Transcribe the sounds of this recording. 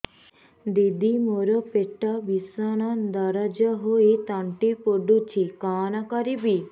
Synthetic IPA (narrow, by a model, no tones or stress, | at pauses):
d̪id̪imoɾəpeʈaʋisaɽ̃ad̪aɾad͡ʒaɦoet̪aɳʈipoɖut͡ʃʰikaːnakaɾibi